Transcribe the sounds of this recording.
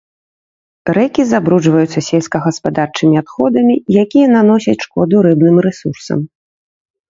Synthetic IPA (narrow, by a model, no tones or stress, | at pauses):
ɾɛkʲizabɾud͡ʐvɐjut̪sːɐsʲelʲskɐɣɐspad̪art͡ʂɨmʲiat̪xɔd̪ɐmʲijakʲijɐnanɔsʲɐt͡sʲʂkɔd̪uɾɨbnɨmɾɛsursɐ̰m